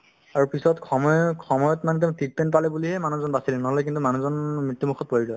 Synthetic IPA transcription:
aɹupisɔtkɔmɔjkʰɔmɔjɔtmanɛt̬ɛ̃tik̚pɛnpalɛbuliɦɛmanuzɔnbasilɛnɔɦɔlɛkintumanuzɔnmɹitːimukʰɔt̚poɹizɔj

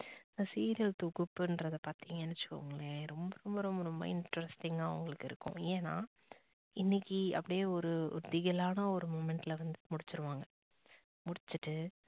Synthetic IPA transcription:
nasiːɾɪjɐlt̪ɔɣʊpːɯɛndɾɐðɐpaːɾt̪iːŋɡɐɛnːɛt͡ʃːɯ̥kːʊ̰ŋɡɐɭeːɾɔmbɐɾɔmbɐɾɔmbɐɾɔmbɐ̰ɪɳʈɐɾɐsʈɪŋɡaːʊ̰ŋɡɐɭɯkːɪɾɯkːʊ̰̃eːnːa̰ː | ɪnːɪkːiɐ̰pːɐɽɪjeːɔɾɯʊ̰ɾd̪ɪɣɐlaːnɐɔɾɯmoːmɛɳʈɪlɐʋɐnd̪ɯmʊɽɪt͡ʃːɪɾɯʋaːŋɡɐ | mʊɽɪt͡ʃːɯʈːɯ

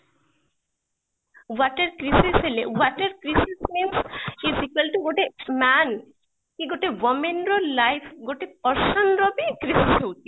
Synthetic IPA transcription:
waʈeɾkɾisiselewaʈeɾkɾisismimsizikəlʈuɡoʈemæn | kiɡoʈeʋɔmenɾolajpʰɡoʈepɔɾʃɔnɾɔbikɾisiseuʈi

